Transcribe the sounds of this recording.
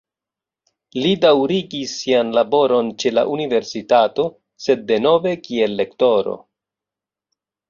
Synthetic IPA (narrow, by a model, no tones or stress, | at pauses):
lidawɾiɡisːianlabo̞ɾo̞nt͡ʃe̞la̰ʔunive̞ɾsitato̞ | se̞d̚ːe̞no̞ve̞kie̞lːe̞kto̞ɾo̞̰